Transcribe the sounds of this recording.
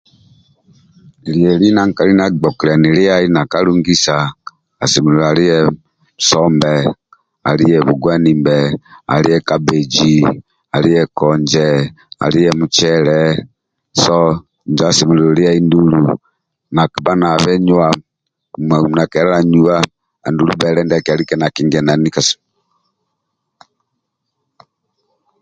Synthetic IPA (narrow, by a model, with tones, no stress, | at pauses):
li˨jɛ˨ɾi˦na˨ŋ˨ka˨ɾi˦na˨ɡ͡bɔ˨ki˨ɾa˨ni˨ɾi˦a˦i˦na˨ka˦lu˦ŋɡi˦saː˨ | si˨mi˨ɾu˨a˨ɾi˦jɛ˦˨ | sɔ˦mbɛ˨ | a̰˨ɾi˦jɛ˨βu˨ɡwa˦ni˨mbɛ˨a̰˨ɾi˦ɛ˦ka˦be˨d͡ʒi˨ | a˨ɾi˦jɛ˨kɔ˨ɲd͡ʒɛ˨ | a̰˨ɾi˦jɛ˦mu˨t͡ʃɛɾɛ | sɔ˦ | ɲd͡ʒasi˨mu˨liɔli˦a˦indulṵ˨ | na˨ki˨ba˦na˨βɛ˦ɲwa˨ | mɛ˨mu˨na˨kɛ˨ɾɛ˦ɾa˨ɲua˦ | a̰˨ndulṵ˦bɛɾɛndɛkia˨li˦kɛna˨ki˦ŋɡɛ˨na˨nika˨s